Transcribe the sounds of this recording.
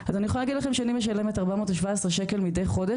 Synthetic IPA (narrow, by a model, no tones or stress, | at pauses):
azaniexolalaɡidlaχemʃeanimeʃ̬alemetaʁbamo̞ːtaʃvaesʁeʃe̞ke̞lmide̞jχo̞de